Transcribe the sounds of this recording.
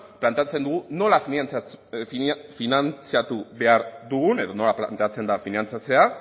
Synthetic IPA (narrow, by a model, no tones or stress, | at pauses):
plant̪eat͡se̞nd̪uɣuno̞lafit͡s | finant͡siat̪uβe̞aɾðuɣune̞ðo̞no̞lapla̰nt̪e̞at͡se̞nd̪afinant͡sat͡se̞a